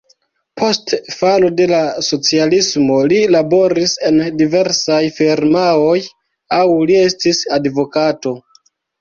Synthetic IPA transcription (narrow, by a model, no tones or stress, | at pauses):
pʰo̞stfalo̞de̞laso̞t͡sialismo̞lilabo̞ɾise̞ndive̞ɾsajfiɾmao̞j | awlie̞stisadvo̞kato̞